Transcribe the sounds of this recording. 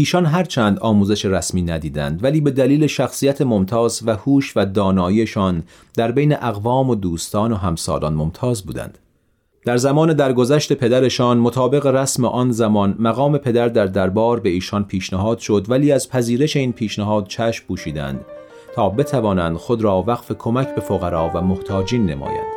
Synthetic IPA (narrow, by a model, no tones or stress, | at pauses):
iːʃɒnɦæɾt͡ʃʰænd̪ɒːmuːze̞ʃeɾæsmiːnæd̪iːd̪æ̰nd̪væliːbe̞d̪æliːleʃæxsiːjæt̪ʰe̞mo̞mt̪ʰɒːzvæhuːʃvæd̪ɒːnɒːiːe̞ʃɒːn | d̪̥æɾbe̞jneʔæɣvɒːmo̞d̪uːst̪ɒːno̞ɦæmsɒ̰ːlɒ̰ːnmo̞mt̪ʰɒːzbṵːd̪æ̰nd̪̥ | d̪æɾzæmɒːne̞d̪æɾɡo̞zæʃt̪e̞pʰe̞d̪æɾe̞ʃɒːnmo̞t̪ʰɒːbe̞ɣe̞ɾæsmeʔɒːnzæmɒnmæɣɒːme̞pʰe̞d̪æɾd̪æɾd̪æɾbɒːɾbe̞iːʃɒnpʰiːʃnæɦɒːd̪̥ʃo̞d̪væliːæzpʰæziːɾe̞ʃe̞iːnpʰiːʃnæɦɒːd̪̥̚t͡ʃʰæːʃmpʰuːʃiːd̪æ̰nd̪̥ | t̪ʰɒːbe̞t̪ʰævɒːnænd̪̥xo̞d̪ɾɒːvæɣfe̞kʰo̞mæcʰbe̞foɣæɾɒːvæmoht̪ʰɒːd͡ʒiːnːe̞̰mɒ̰ːjæ̰nd̪̥